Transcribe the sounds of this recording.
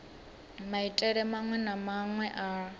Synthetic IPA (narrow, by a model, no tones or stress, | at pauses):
maitʼɛɺɛmaŋwɛnamaŋwɛʔa